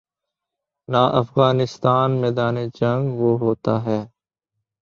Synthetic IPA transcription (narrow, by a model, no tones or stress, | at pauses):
naːʔəfɣaːnɪst̪aːnmɛːd̪aːneːd͡ʒə̃ŋɡʋoːɦoːt̪aːɦɛː